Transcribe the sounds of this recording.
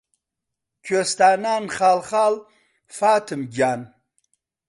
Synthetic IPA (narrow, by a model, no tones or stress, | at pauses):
kʰost̪aːnaːnχaːlχaːl | faːt̪ʰɨmɡaːn